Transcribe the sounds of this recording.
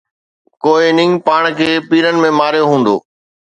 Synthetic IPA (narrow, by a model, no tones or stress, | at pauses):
koːɪnɪ̃ŋpaːɽ̃kʰeːpiːɾənɪ̆mẽmaːɾjoɦũːnd̪o̰ː